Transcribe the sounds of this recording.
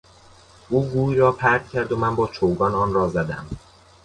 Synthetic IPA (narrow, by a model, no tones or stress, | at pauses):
ʔuːɡuːjɾɒːpʰæɾɡcʰæɾd̪omænbɒːt͡ʃʰowɡɒːnɒːnrɒːzæd̪æ̰m